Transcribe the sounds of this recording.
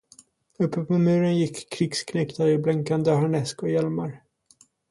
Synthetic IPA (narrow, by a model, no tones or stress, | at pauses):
ɵpːəpʰɔmʉ̟ːɾənjɪkʰːɾɪkskʰnɛkt̪aɾɪblɛŋkand̪əɦaɳɛskɔjɛlmaɾ